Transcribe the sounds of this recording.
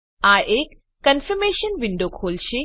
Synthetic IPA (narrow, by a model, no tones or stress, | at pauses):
aːʔeːkː | ɐnfɐɾmeːʃɐnʋiɳɖoːkʰoːlʃi